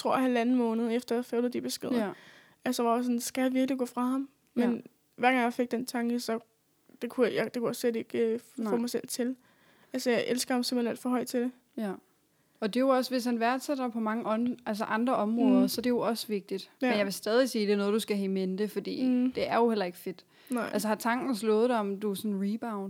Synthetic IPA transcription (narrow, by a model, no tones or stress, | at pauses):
t͡sʰʁo̝ɐ̰hælænn̩mɔ̽ːnəð̞̩ˠefd̥ɐjfølð̩ˠd̥ib̥e̝sɡ̥eðˠɐ | æsəʋɑjosɒ̽nsɡ̥æhæʋiɐɡ̥liɡ̥ɔ̰̽ːfʁɑ̈hɑ̈m | men | ʋæɐ̰ɡ̥ɑ̈ŋjɑ̈ɪfe̝ɡ̥̚d̥ent͡sʰɑ̈ŋɡ̥əsɒ̽ | d̥e̝kʰujɑd̥e̝kʰujæslede̝ɡ̥øfɔ̽ːmɑɪsel̰t͡sʰe̝l | ælsəjɑ̈ɪʔelsɡ̥ɐhɑmsem̰̥enæ̰ld̥fɒ̽ɦɒ̽ɪd̥t͡sʰe̝d̥e̝ | ɒ̽d̥e̝jo̝ɒ̽sʋe̝shænʋæɐd̥sed̥ɐpʰɒ̽mɑ̈ŋəʔʔæls̬əʔɑ̈nd̥ʁɐʔɒ̽mʁɔ̽ːð̞ˠɐsɒ̽d̥e̝jo̝ɒ̽səʋe̝ɡ̥̚d̥id̥enjɑ̈ʋe̝sd̥ɛːð̞ˠisiːd̥e̝nɔ̽ðˠd̥usɡ̥æɦɛ̰menəd̥e̝fɒ̽d̥ḭːd̥e̝æɐjo̝helɐe̝ɡ̥əfe̝d̥ | nɑ̈ɪ̰ælsəhɑ̈t͡sʰɑ̈ŋ̰ɡ̥n̩slɔ̽ːð̞̩ˠd̥ɑɒ̽md̥uæsɔ̽nʁib̥äʊ̃n̥